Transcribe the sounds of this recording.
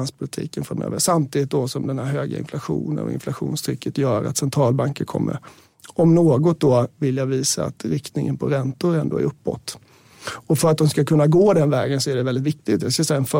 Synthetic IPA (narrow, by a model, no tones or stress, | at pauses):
nspʰʊlɪt̪ʰḭːkənfɾamø̰ːvəʂamt̪ʰiːd̪ɪt̪̚d̪ɔsɔmd̪ɛnhæɾɦøːɡa̰ɪ̰nflaɧṵːnə̰nʔɔ̰ɪ̰nflaɧṵːnst̪ʰɾʏkːət̪jœːɾa̰t̪sɛnt̪ʰɾɑːlbaŋkəɾkʰɔ̰mːə̰ɾ | ɔmnoːɡɔt̪̚d̪ɔvɪljaviːsaa̰t̪ɾɪkt̪nɪŋənpʰɔɾɛnt̪ʊɾɛnd̪oːæ̰ɾɵpːɔ̰t̪ː | ɔfœɾat̪̚d̪ɔmskakʰɵnːaɡoːd̪ɛnvɛːɡənsɔæɖɛvɛld̪ɪt̪vɪk̚t̪ɪɡt̪jasksɛjaɛnfœ